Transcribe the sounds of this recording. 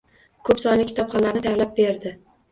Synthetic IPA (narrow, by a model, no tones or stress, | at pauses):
kʰɵpsɒj̪lɪkʲːʰt̪ʰɒpχɒnlaɾnɪd̪avlap̚beɾd̪ɪ